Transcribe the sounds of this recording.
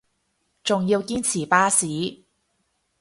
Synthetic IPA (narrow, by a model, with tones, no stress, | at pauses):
t͡sʊ˨ŋji˧wkiː˥nt͡sʰiː˨˩paː˥siː˨˥˦